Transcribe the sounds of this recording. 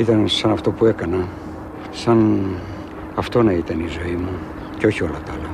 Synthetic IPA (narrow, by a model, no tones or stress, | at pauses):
it̪ɐnsɐnɐft̪o̞pue̞kɐnɐ | sɐn | ɐft̪o̞nɐit̪ɐnizo̞imu | ceo̞çiolɐt̪ɐlɐ